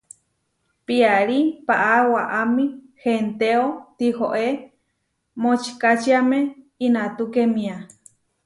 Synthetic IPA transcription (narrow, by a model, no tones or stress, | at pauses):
piaɺipaʔawaʔamĩ | hent̪eot̪ihoʔe | mot͡ʃi̥kat͡ʃiame | inat̪ukemĩa